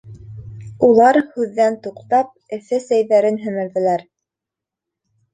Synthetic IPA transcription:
ulˠɑɾhʉðːænt̪uqt̪ɑp̚ɘ̆θɘsæjðæɾɘnɦɘ̆mɘ̆ɾðɘ̆læɾ

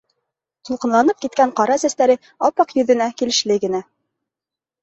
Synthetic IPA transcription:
t̪ŭlˠqɤ̆nˠɑnɤp̚kit̪̚kæɴqɑɾɑæsæst̪æɾɘ | ɑpɑqjɵ̆ðɘ̆nækilɘ̆ʃlɘɡɘ̆næ

